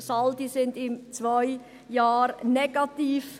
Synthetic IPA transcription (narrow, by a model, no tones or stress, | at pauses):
sɑldisɪndɪmt͡svaɪ | jɑːɾnɛɡ̥ɑtiːf